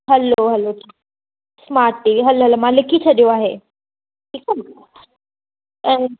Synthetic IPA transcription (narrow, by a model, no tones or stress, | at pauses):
ɦɐloɦɐloʈʰiːk | smaːɾt̪iɦɐloɦɐlomãlɪkʰit͡ɕʰɐɗijoaːɦeː | ʈʰiːka | ɛ̃